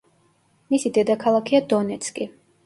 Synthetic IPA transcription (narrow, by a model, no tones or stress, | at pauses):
misid̪ɛd̪akʰalˠakʰiad̪ɔnɛt̪skʼi